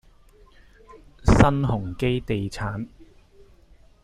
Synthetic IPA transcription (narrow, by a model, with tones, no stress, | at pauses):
sɐ˥nhʊ˨˩ŋke˥jt̪e˨jt͡sʰaː˨˥n